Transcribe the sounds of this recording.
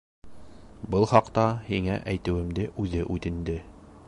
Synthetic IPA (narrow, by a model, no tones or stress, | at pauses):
bɤlˠχɑqt̪ɑhiŋæʔæjt̪ɘ̆wɘ̆md̪ɘʔʉðɘʔʉt̪ɘ̆nd̪ɘ